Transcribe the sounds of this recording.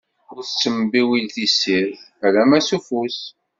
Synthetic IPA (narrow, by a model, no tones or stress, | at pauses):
ʊɾθsːəmbiwilθisiɾ | ælæmæsufus